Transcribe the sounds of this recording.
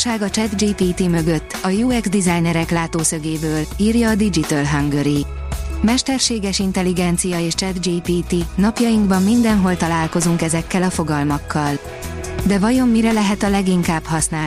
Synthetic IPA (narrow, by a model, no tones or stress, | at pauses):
ʃaːɡɒt͡ʃɛd̪d͡ʒiːpiːt̪imø̞ɡø̞t̪ːɒjuːɛɡzd̪izajnɛɾɛklaːt̪oːsøɡeːbøːliːrjɒːd̪id͡ʒit̪ɛlɦɒŋɡøɾi | mɛʃt̪ɛrʃeːɡɛʃint̪ɛliɡɛnt̪sijɒeːʃt͡ʃɛd̪d͡ʒiːpiːt̪inɒpjɒjiŋɡbɒmːind̪ɛnɦo̞lt̪ɒlaːlko̞zuŋkɛzɛkːɛlɒfo̞ɡɒlmɒkʰːɒl | d̪ɛvɒjo̞mːiɾɛlɛɦɛt̪ɒlɛɡiŋkaːbhɒsnaː